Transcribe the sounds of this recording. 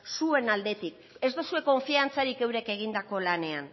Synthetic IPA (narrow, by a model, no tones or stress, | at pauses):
sue̞nald̪e̞t̪ik | e̞zd̪osue̞ko̞ɱfiant͡saɾike̞wɾe̞ke̞ɣ̞ind̪ako̞lane̞an